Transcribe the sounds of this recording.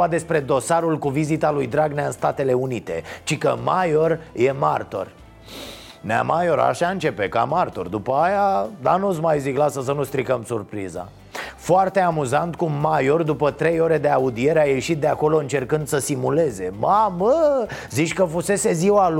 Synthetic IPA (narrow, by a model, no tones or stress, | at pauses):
ad̪e̞spɾe̞d̪o̞saɾulkuvizit̪alujd̪ɾaɡneaɨnst̪at̪e̞le̞unit̪e̞̰t͡ʃikəmajo̞rje̞mart̪o̞̰r | nea̰majo̞ɾa̰ʃaɨnt͡ʃe̞pe̞ka̰mart̪o̞̰rd̪upəajad̪anusmajziklasəs̬ənust̪ɾikəmsurpɾḭza̰ | foart̪e̞amuzant̪kuːajo̞rd̪upət̪ɾe̞jo̞ɾe̞d̪e̞aud̪ie̞ɾeaje̞ʃit̪̚d̪eako̞lo̞ɨnt͡ʃe̞rkɨnd̪səsimule̞ze̞maməzit͡ʃʲkəfuse̞se̞ziwal